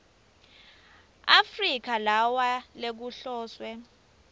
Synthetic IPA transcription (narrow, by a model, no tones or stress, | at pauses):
afrik̬alawalek̬uɬɔːswɛ